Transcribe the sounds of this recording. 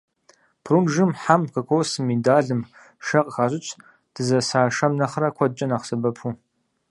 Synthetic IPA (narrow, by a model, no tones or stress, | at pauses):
pʰrunʒɨmħamkʰɐkʷʰowsɨmidaːɮɨm | ʃɐqʼxaːʑʼɪt͡ʃʷʰʼ | d̥ɨzɐsaːʃɐmnɐχrɐkʷʰɔd̚t͡ʃʼɐnaːχsɐbɐpʰu